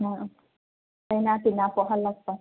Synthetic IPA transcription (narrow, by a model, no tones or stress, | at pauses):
na | ajnat̪inapɔʔɦalːak̚pa